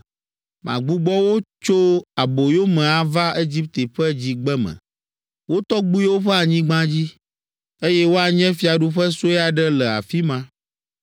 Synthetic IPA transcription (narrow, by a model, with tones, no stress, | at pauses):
mʔã̰˨ɡ͡bu˦ɡ͡bɔ˦wo˦t͡ʃo˦a˨bo˨jo˦mɛ̃˨a˨va˦e˦d͡ʑi˦p̚t̪e˨ɸɛ˦d͡ʑi˦ɡ͡bɛ˦mɛ̰̃˨ | wo˦t̪ɔ˦ɡ͡bu˦wo˦ɸɛ˦a˨ɲĩ˦ɡ͡bã˦d͡ʑi˦ | e˦jɛ˦wo˦a˨ɲɛ̃˦fi˦a˨ɖu˦ɸɛ˦so˦ɛ˦a˨ɖɛ˦lɛ˨a̰˨fi˦mã˦